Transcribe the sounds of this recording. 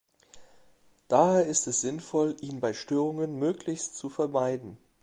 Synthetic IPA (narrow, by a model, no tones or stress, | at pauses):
d̥aːheːɐɪstɛsz̥ɪnfɔlʔiːnbaɪʃtøːʁʊŋənmøːklɪçstt͡sufɛɐmaɪdn̩